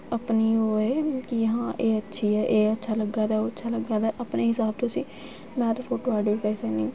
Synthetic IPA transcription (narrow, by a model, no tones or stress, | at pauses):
əpniːoːeːkɪəɦãːʔeːətːʃʰiːɛːʔeːətːʃʰaːləɡːaːd̪aːoːətːʃʰaːləɡãːd̪aːʔəpneːɦɪsaːb̚t̪õːsĩː | mɛ̃ːt̪oːfʰoːʈoːaːɖoːɾkəɾiːsəkniː